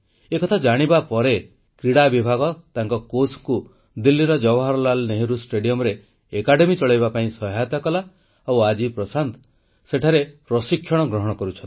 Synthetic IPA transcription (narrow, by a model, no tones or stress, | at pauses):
ekɔt̪ʰad͡ʒaɽ̃ibapɔɾe | kɾiɽabibʱaɡɔt̪aŋkɔkosku | d̪ilːiɾɔd͡ʒɔbɔɦaɾɔlalneɦiɾusʈeɖiɔmɔɾeː | kaɽemit͡ʃɔɭajbapaĩsɔɦajt̪akɔla | awad͡ʒipɾɔsant̪ɔ̥ | seʈʰaɾepɾɔsikʰːjɔɽ̃ɔɡɾɔɦɔɽ̃ɔkɔɾut͡ʃʰɔnt̪